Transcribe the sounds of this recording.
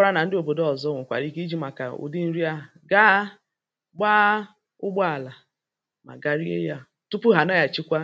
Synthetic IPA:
ɾa˦na˨n̩˦dɪ˦o˨bo˨dɔ˨zɔ˦ŋʊ˨kʷa̰˨ɾi˦ɡi˦d͡ʒi˦ma˨ka̰˨ṵ˨di˦n̩˦ɾi˦a˦ | ɡa˦ | ɡ͡baː˦ | ʊ˦ɡ͡bɔ˦a˨la˨ | ma̰˨ɡa˦ɾi˦ḛ˦ja˦ | tu˦pʊ˦ɦa˨na˦ja˨t͡ʃɪ˦kʷa˦

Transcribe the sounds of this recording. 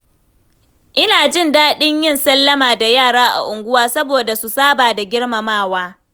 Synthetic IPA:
ʔɪ˦naː˨d͡ʒɪ˦˨ndaː˦ɗɪ˦ɲjɪ˦˨nsɐ˦lːɐ˦maː˨da˨jaː˦˨ɽaː˦ʔa̰˨ʔʊ˨ŋɡʷʊ˦waː˦sɐ˦boː˨da˨su˨saː˦baː˨da˨ɡʲɪ˦ɽmɐ˨maː˦˨waː˦

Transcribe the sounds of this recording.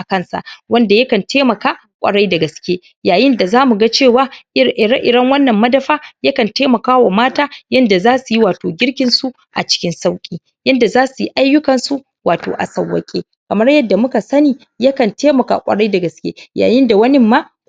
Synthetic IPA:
ʔa˨kɐ˦nsa̰˨ʔwɐ˦nda˨jɐ˦kɐ˨ntʰeː˦mɐ˨kaː˦ | kʷʼɐ̰˨ɽa˦jdɐ˨ɡɐ˨skʲeː˦ | jaː˨jɪ˦nda˨zaː˦mu˨ɡa˦t͡ʃeː˦˨waː˦ʔʔɪ˦ɽɐ˦ŋwɐ˦nːɐ˨mːɐ˦dɐ˦ɸaː˦ja˦kɐ˨nteː˦mɐ˨kaː˦wa˨maː˦taː˦jɐ˦nda˨zaː˦su˨ji˦waː˨toː˨ɡʲɪ˦ɽkʲɪ˨nsu˦ | ʔa̰˨t͡ʃɪ̥˦kʲɪ˦nsa˦wkʲʼiː˦ | jɐ˦nda˨zaː˦su˨ji˦ʔa˦jːʊ˦kɐ˨nsu˦ | waː˨to̰ː˨ʔa̰˨sɐ˨wːɐ̰˦kʲʼḛ˦ | kɐ˨mɐ˦rjɐ˦dːa˨mʊ˦ka˨sɐ˦niː˨ | ja˦kɐ˨nteː˦mɐ˨ka̰˨kʷʼɐ̰˨ɽa˦jda˨ɡɐ˨skʲḛː˦ja̰ː˨jɪ˦nda˨wɐ˦nɪ˦mːa˦

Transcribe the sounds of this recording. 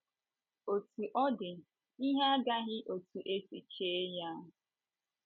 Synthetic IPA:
o˨tu˨ʔɔ˦dɪ˨ | i˦ɦa˦a˦ɡa˦ɣɪ˦ʔo˨tu˨ʔe˦si˨t͡ʃe˨˦ja˦ɦ

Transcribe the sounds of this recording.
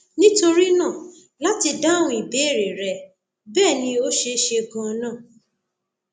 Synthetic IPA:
nĩ˦to˧ɾi˦nãː˦˨ | la˦ti˧da˦w̃ũ˦i˨be˨˦e˦˨ɾe˨ɾɛ˨ | bɛː˦˨nĩ˧o˦ʃe˧˦ʃe˧ɡũ˧ɔ˧nãː˦˨

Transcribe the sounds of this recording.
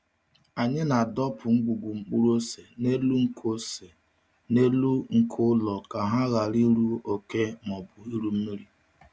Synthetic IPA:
a˨ɲɪ˦na˨dɔ˦pʰʊ˨ŋ͡m̩˦ɡ͡bu˨ɡʷu˨ŋ͡m̩˨k͡pu˦ɾu˦o˦se˨ne˦lu˦ŋ̩˦kʰo˦se˨ | ne˦lu˦ŋ̩˨kʰʊ˦lɔ˨ka˨ɦa˦ɣa˨ɾi˦ɾu˦o˨ke˦mɔ˨bʊ˨i˦ɾu˦m̩˦mi˦ɾi˦˨

